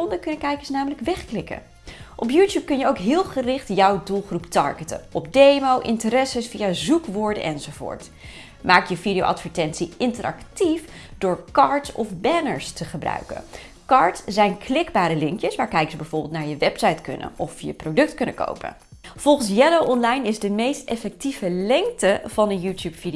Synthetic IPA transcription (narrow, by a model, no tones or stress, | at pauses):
ɔndəkɵnəkɛjkəsnaːmələkʋɛχklɪkə̰ | ʔɔpjuːtjuːp̚kɵnjəowkɦɪːlˠχərɪχtjɑwdulˠχruptɑ̰ɹɡətə̰nɔpdejmowʔɪntəɾɛsəsfijazukʋʊːɹdə̰nʔɛnzowvʊ̰ːɹt | maːkjəvidijo̰ʔɑ̰tfəɹtɛntsiɪntərɑ̰ktifdʊːɹkɑːɹtsɔ̰fbɛnə̰ɹstəχəbrœ̰ɥkə̰n | kɑːɹtssɛjnklɪɡbaːɾəlɪŋkjəsʋaːɹkɛjkəsbɛjvʊːɹbɪlˠtnaːɹjəʋɛpsɑjtkɵ̰nə̰nʔɔfjəprowdɵk̚tkɵnəko̰wpə̰n | v̥ɔlˠχənsjɛlowʔɔnlɑjnɪzdəmejstɛfɛk̚tivəlɛŋk̚təv̥ɑnənjuːtjuːpfi